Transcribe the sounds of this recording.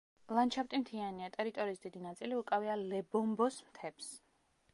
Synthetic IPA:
lˠant͡ʃʰapt̪ʼimt̪ʰianiat̪ʼɛɾit̪ʼɔɾiːsd̪id̪inat̪sʼiliukʼavialɛbɔmbɔsmt̪ʰɛps

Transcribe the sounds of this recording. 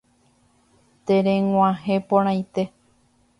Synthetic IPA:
t̪eɾẽŋʷãɦepõɾãj̃t̪e̞

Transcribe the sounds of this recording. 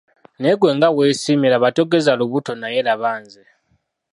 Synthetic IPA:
nɛk̬ʼwɛŋɡawesimɛlaβatʼɔkʼɛzaloβutʰɔnajɛlaβaːnd͡zʱɛ

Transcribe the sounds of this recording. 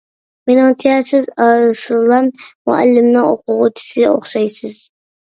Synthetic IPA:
menɪŋt̪ʰijasɪzslˠːɑnmʊa̰lːɪmnɪŋo̰qʊʁʊt̪ʰɪ̥sɪo̰χʃajsɪz̥

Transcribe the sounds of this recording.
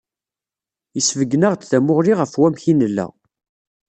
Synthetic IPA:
jəsvəɡːnəʁt͡s̪θæmʊʁɾiʁəfwæmçinəlːæ̰

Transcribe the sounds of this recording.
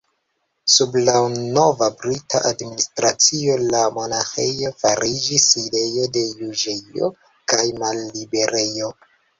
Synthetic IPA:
sublano̞vabɾitʰa̰ʔadministɾat͡sio̞lamo̞naxejofaɾʔid͡ʒiside̞jo̞de̞juʒeo̞̰ | kajmalːibe̞ɾe̞jo̞

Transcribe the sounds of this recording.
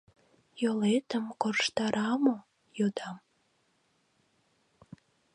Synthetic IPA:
jolet̪əmkorʃt̪ɑɾʔɑmo | jod̪ɑm

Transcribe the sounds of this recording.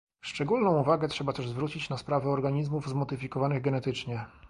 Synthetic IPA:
ʂt͡ʂɛɡulnɔ̃w̃uvaɡɛt̪ʂɛbat̪ɛʐzvɾut͡ɕit͡ɕnaspɾavɛɔɾɡaɲizmuvzmɔd̪ɘfʲikɔvanɘɣɡɛnɛt̪ɘt͡ʂɲɛ

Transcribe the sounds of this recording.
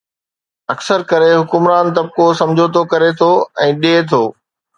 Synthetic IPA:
ɐksəɾkɐɾeɦʊkʊmɾaːnt̪ɐb̚kosɐ̃md͡ʑʱot̪ʰokɐɾet̪ʰoɛ̃ːɗiet̪ʰoː

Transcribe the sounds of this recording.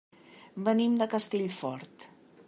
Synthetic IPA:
bənimd̪əkəst̪eʎfɔɾt̪

